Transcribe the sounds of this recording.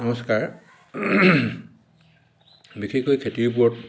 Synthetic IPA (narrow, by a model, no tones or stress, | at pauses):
amɔskaɹ | bikʰikojkʰetiɹp̬uɔt̚